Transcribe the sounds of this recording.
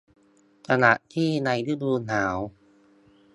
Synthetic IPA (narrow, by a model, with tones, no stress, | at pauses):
tʰa˧na˨˩ʔt̪ʰiː˥˩na˧jdɯ˦˥˩duː˧naː˩˦w